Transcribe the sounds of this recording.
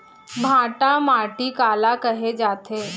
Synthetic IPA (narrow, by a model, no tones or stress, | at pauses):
bʱãːʈamaːʈikaːlakɐɦed͡ʒaːt̪ʰeː